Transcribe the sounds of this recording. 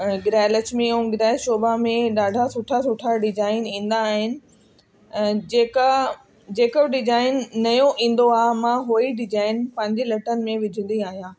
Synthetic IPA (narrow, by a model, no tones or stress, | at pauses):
ɡɾɛːlət͡ɕmẽũːɡɪɾɛːlʃoːbamẽɗaːɖʱasʊʈʰasʊʈʰaɖɪd͡ʑaːɪnĩːn̆d̪aːɦɪnɪ̆ | eːka | d͡ʑeːkəbɖɪd͡ʑaːɪnːɐjõʔĩːn̆d̪oaːɦmãɦoːiɖɪd͡ʑaːɪnpɐ̃ɦɪ̃ɲd͡ʑelɐʈənɪ̆mẽʋɪd͡ʑʱʊ̃nd̪ĩaːɦijãː